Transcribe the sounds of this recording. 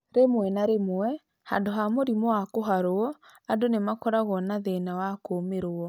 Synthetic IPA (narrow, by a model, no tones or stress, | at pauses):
ɾemwɛnaɾemoɛ | ha̰ndoɦamoɾimɔwakoɦaɾoɔadonemakɔɾaɣɔnaðenawakomeɾoɔ